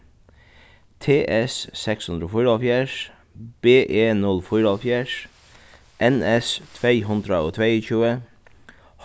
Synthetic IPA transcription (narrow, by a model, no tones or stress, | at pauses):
t̪ʰeːʔɛssɛkshʉnd̪ɾəoːfʊɾəːfjæːʂ | b̥eːʔeːnʉlfɔʏɾɑlfjæːʂ | ʔɛnɛst̪ʰʋeɪɦʉnd̪ɾəoːt̪ʰʋeɪçʉːə | h